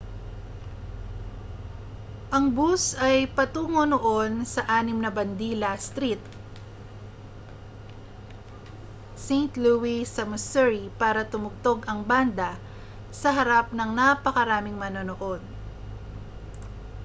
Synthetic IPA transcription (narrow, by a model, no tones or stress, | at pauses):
ʔɐŋbusɐjpɐt̪uːŋonoʔo̞nsɐʔaːnɪmnɐbɐnd̪iːlɐst̪ɾit̪̚ | sejnt̪luwisɐmʊsɛɹipaːɾɐt̪ʊmʊɡ̚t̪o̞ɡɐŋband̪ɐ | sɐɦɐɾap̚nɐŋnapɐkɐɾaːmɪŋmɐnonoʔo̞d̪̚